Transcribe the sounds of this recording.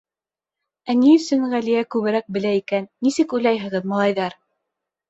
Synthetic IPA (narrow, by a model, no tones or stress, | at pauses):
æniɵ̆sɵnʁælijækʉβɘ̆ɾæk̚bɘ̆læikænːisɘkujlɑjɦɤ̆ʁɤðmɑlˠɑjðɑɾ